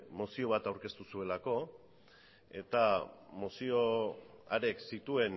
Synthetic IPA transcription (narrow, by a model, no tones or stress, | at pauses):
mosio̞β̞at̪awɾke̞st̪usue̞lako̞ | e̞t̪amosio̞aɾe̞ksit̪ue̞n